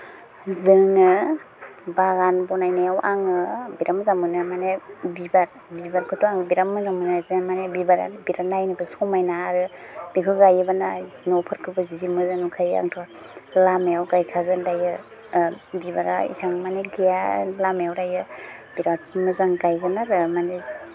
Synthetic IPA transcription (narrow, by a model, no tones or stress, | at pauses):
zɯŋɯ | baɡanbɔnajnajawʔaŋɯbiɾamzamɯnɯmanebibaɾ | bibaɾkʰɯtuaŋbiɾamːɯzamɯnazmanebibaɾa̰biɾanajnibɯsɔmajnaːɾɯb̥ikʰuɡajɯbananɔpʰɯɾkʰɯbɯzizimɯzaŋukʰaja̰ŋtʰɔa | lamejawkajkʰaɡɯndajɯ | bibaɾa̰ḭsaŋmaneɡijalamejawɾajɯbiɾamɯzaŋkajɡɯnaɾɯmane